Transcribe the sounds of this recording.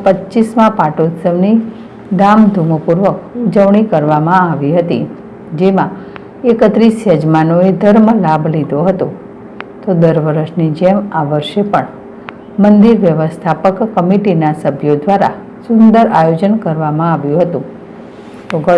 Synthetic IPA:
pətːt͡ʃismãpaʈot̪səʋni | d̪amd̪ʱumopuɾʋəkud͡ʒəʋɳikəɾʋamãaʋiɦət̪ḭ | d͡ʒemã | ekət̪ɾisjəd͡ʒmanoed̪ʱəɾməlabʱlid̪ʱoɦət̪õ | t̪od̪əɾʋəɾəʃnid͡ʒemaʋəɾʃepəɳ | mənd̪iɾʋjəʋəst̪ʰapəkːəmiʈinasəbʱjod̪ʋaɾa̰ | sʊnd̪əɾajod͡ʒənkəɾʋamãaʋjũɦət̪ṵ̃ | t̪oɡə

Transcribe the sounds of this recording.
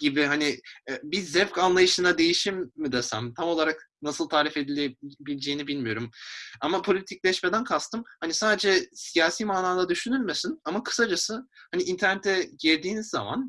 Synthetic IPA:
ɟibiɦanibizɛpkanlˠajɯʃɯnad̪e̞jiʃimːid̪ɛsæ̰nt̪ʰamo̞lˠaɾaknasɯlˠt̪ʰaːɾife̞d̪ilʲebilʲd͡ʒe̞jinibilʲmijo̞ɾumamapʰo̞lʲit̪ʰic̚lʲɛʃme̞d̪ænkʰast̪ʰɯmhanisaːd̪e̞d͡ʒɛsijaːsiːmaːnaːlˠad̪yʃynylʲmesinamakʰɯ̥sad͡ʒasɯhaniːnt̪ʰæɾnet̪ʰɛɟiɾd̪iːnizːa̰ma̰n

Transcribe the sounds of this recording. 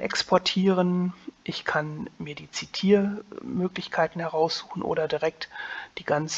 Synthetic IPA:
ʔɛ̰kspʰɔɐtʰiːʁənʔɪçkʰanmiːɐdiːt͡sitʰiːɐmøːklɪçkʰaɪtn̩hɛʁ̞aʊsz̥uːxn̩ʔo̰ːdɐdiʁɛk̚td̥iːɡant͡s

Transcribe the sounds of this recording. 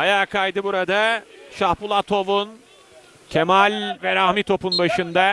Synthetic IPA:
ajaːkʰajd̪ɯbuɾad̪aʃahpulˠat̪ʰo̞vun | cʰemalʲvɛɾahmit̪ʰo̞punbaʃɯnd̪a

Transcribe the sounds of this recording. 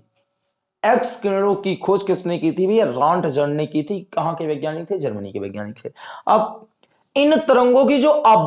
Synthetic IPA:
ekskənɽõkikʰoːd͡ʒkɪsmnekit̪ʰibeɾãːɳʈd͡ʒəɽnekit̪ʰikɐɦãkeʋəɡjaːnɪkt̪ʰed͡ʒəɾmənḭkeʋḛːɡja̰ːnɪt̪ʰeːɐb | ɪnt̪əɾə̃ŋɡõkid͡ʒoːʔɐb

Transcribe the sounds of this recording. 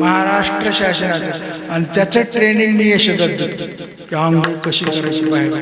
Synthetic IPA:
məɦaɾaʂʈɾəɕaɕənat͡seanit̪jat͡seʈɾeniŋɡniːjeɕəd̪əd̪ʱət̪ | kaɦəŋɡukəɕiːkəɾajt͡ɕiːpaɦeɾ

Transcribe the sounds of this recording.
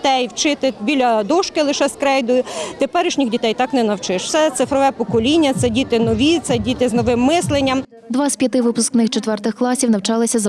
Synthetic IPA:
t̪ɛjwt͡ʃɪt̪ɪbʲilʲɐd̪ɔʃkɪlˠɪʃɛskɾɛjd̪ʊjʊt̪epɛɾɪʃnʲixdʲit̪ɛjt̪ɑknɛnɐwt͡ʃɪʃwtsɛt̪sɪfɾɔʋɛpɔkɔlʲinʲːɐt̪sɛdʲit̪ɪnɔʋʲit̪sɛdʲit̪ɪznɔʋɪmːɪslˠenʲːɐm | d̪ʋɑspʲjɐt̪ɪʋɪpʊsknɪxt͡ʃet̪ʋɛrt̪ɪxklˠɑsʲiwnɐwt͡ʃɑlˠɪsʲɐzɐ

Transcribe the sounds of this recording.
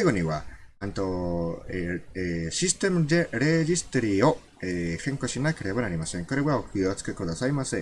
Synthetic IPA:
aɡo̞ɲ̟iβaɯ̃nt̪o̞eɕisɨ̥t̪e̞mɯ̟d̪eɾe̞ʑisɨ̥t̪o̞ɾʲio̞ | eːhẽ̞ŋko̞ɕinake̞ɾe̞banaɾʲimasẽ̞ŋkoɾe̞ɡaokɯjot͡sɨ̥kekɯd̪asaimasɨ

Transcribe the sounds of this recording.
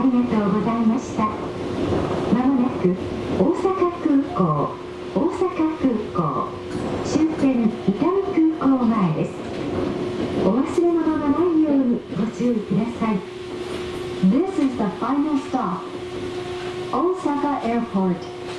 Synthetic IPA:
aɾʲiɡat̪o̞ːɡo̞zaimaɕi̥t̪a | mamanakɯ̟oːsakakɯ̟ːko̞ː | oːsakakɯ̟ːko̞̰ː | ɕɨːkẽ̞ŋit̪amikɯ̟ːkoːmaed̪e̞sɨ̥ | oβasɨɾe̞monaɡanaijoːɲ̟iɡo̞t͡ɕɨoikɯ̟d̪asai | d̪ɪsɪzðəfainalst̪ap | oːsakaʔepoɾt̪

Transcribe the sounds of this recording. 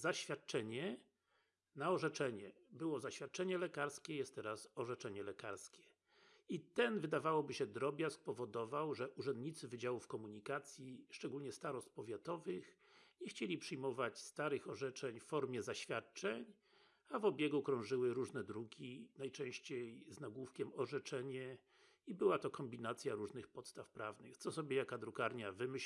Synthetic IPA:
zaɕfʲjat̪̚t͡ʂɛɲɛ | naɔʐɛt͡ʂɛɲɛ | bɘwɔzaɕfʲjat̪̚t͡ʂɛɲɛlɛkaɾskʲɛjɛst̪ːɛɾasɔʐɛt͡ʂɛɲɛlɛkaɾskʲɛ̥ | it̪ɛnvɘd̪avawɔbɘɕɛd̪ɾɔbʲjaskpɔvɔd̪ɔvawʐɛʔuʐɛnd̪ɲit̪sɘvɘd͡ʑawufkɔmuɲikat̪sʲjiʂt͡ʂɛɡulɲɛst̪aɾɔst̪̚pɔvʲjat̪ɔvɘx | ɲɛxt͡ɕelʲipʂɘjmɔvat͡ɕst̪aɾɘxɔʐɛt͡ʂɛɲffɔɾmʲjɛzaɕfʲjat̪̚t͡ʂɛɲ | avɔbʲjɛɡukɾɔ̃w̃ʐɘwɘɾuʐnɛd̪ɾukʲinajt͡ʂɛ̃w̃ɕt͡ɕejznaɡwufkʲɛmɔʐɛt͡ʂɛɲɛ | ibɘwat̪ɔkɔmbʲinat̪sʲjaɾuʐnɘxpɔt̪st̪afpɾavnɘxt̪sɔsɔbʲjejakad̪ɾukaɾɲavɘmɘɕ

